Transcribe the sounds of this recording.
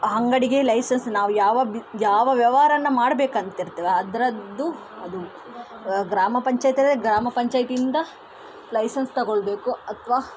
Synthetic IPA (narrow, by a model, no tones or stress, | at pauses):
ɦɐŋɡɐɽiɡelɐjsɐnsnaːʋujaːʋɐjaːʋɐʋjɐʋɐɾɐɐnːɐmaːɽɐbe̞ːkɐnt̪ɐiɾt̪ːɐʋeɐd̪ɐɾɐd̪ːu | ɐd̪u | ɡɾaːmɐpɐɲt͡ʃaːjt̪ɐɾeɡɾaːmɐpɐɲt͡ʃaːjt̪ind̪ɐ | lɐjsɐnst̪ɐɡoɭbe̞ːkuɐt̪ʰʋaː